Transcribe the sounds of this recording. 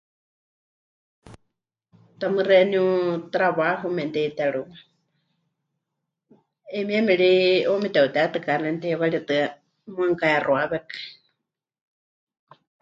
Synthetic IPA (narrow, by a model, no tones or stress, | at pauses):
t̪amɨrɛniũt̪ɾaβaɦumɛnt̪ɛit̪ɛɺuma | ɛmiɛmɛɺiomit̪ɛut̪ɛat̪ɨkanɛnt̪iβaɺiat̪ɨa | maŋkaɛroaβɛkḁ